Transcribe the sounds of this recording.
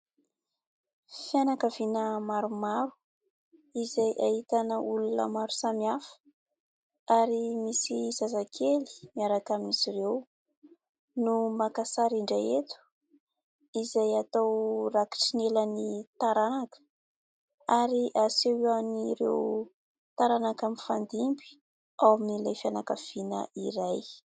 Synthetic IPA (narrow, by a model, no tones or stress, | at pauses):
fianakavinəmaɾumaɾu̥ | izajʔahit̪anəulunə̰maɾu̥samiafə̥ | aɾimisizazakʰeli̥miaɾakaminisiɾew | numakasaɾiɳɖ͡ʐaet̪u̥ | izajat̪awraki̥ʈ͡ʂinelanit̪aɾanakə̥ | aɾiʔasewianiɾḛw | t̪aɾanakaminfand̪imbi̥ | awaminilajfianakav̥inə̰ʔiɾaj